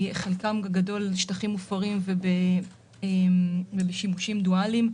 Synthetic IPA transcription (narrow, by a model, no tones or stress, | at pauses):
χelkamɡado̞lʃtaχimufaʁimvebe | emvebeʃimuʃimdualim